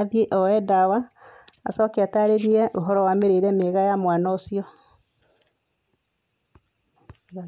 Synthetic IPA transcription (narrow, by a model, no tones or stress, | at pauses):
aðjeʔɔɛdawaa̰sɔːkeataɾeɾiɛʔoɦɔɾɔwameɾeɾɛmeɣajamwaːnɔosiɔ